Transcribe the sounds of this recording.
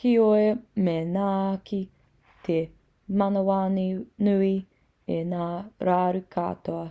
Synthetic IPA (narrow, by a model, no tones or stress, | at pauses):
kioemenaːki | t̪ʰe | mɐnowaːninʉi | enaːɾaːɾukʰa̰ːtoɐ